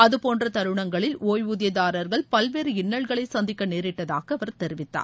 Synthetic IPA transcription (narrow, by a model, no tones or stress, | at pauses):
ɐðɯpoːndrɐt̪ɐɾɯɳɐŋɡɐɭɪlʔoːjʋuðɪjɐðaːɾɐɾɣɐɭpɐlʋeːɾɯɪnːɐɭɣɐɭɐɪsɐnd̪ɪkːɐneːɾɪʈːɐðaːɣɐɐʋɐɾt̪ɛɾɪʋɪt̪ːa̰ːɾ